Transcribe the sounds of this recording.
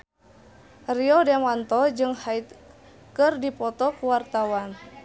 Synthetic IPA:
riɔdɛmant̪ɔd͡ʒɨŋhait̪ | kɨrdipɔt̪ɔkuwart̪awan

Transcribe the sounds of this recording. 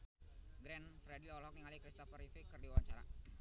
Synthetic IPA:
ɡɾɛnfɾɛdilɔlɦɔk̚niŋalikɾist̪ɔfəɾifikɨrdiwawaɲt͡ʃaɾa̰

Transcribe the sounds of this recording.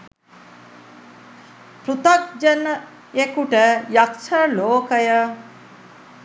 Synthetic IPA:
pɾut̪ɐk̚d͡ʒɐnːə | ekuʈəjɐkʃɐloːkəjə

